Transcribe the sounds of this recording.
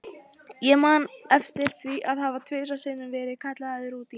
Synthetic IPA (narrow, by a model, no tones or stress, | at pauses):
jɛmaːnɛft̪ɪɾ̥θviʔaðhavat̪ʰvʏːsasɪːnʏnvɛːɾɪkʰaht̪laaðɪɾuːt̪i